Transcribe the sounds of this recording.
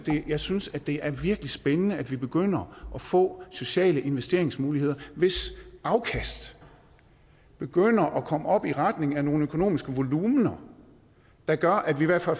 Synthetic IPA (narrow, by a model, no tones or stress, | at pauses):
d̥e̝jɑ̈ɪsynsæd̥e̝ʔæɐʋiɐɡ̥əlisb̥enənəæd̥ʋib̥e̝ɡ̥øn̰ɐʔɒ̽fɔ̰̽ːso̝ɕɛ̰ːləʔe̝nʋesd̥e̝̰ɐ̰eŋsmuːlihe̝ð̞̰ˠɐʋe̝sʔɑ̈ʊkʰæsd̥ | b̥e̝ɡ̥øn̰ɐʔɒ̽kʰɒ̽məɒ̽b̥iʁad̥ne̝ŋ̩æno̝ːn̩økʰo̝no̝̰ːmisɡ̥əʋo̝luːmnɐ | d̥ɑ̈ɡ̥ɶɐʔæd̥ʋiʋæɐ̰d̥fæl